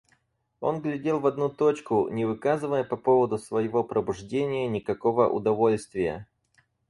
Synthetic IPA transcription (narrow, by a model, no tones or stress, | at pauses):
o̞̰nɡlʲɪdʲe̞lˠvɐd̪nut̪o̞t͡ɕkʊnʲɪvɨkazɨvəjəpɐpo̞vəd̪ʊsvəjɪvo̞pɾəbʊʐdʲenʲɪjənʲɪkɐko̞və̰ʔʊ̰d̪ɐvo̞lʲst̪vʲɪjə̰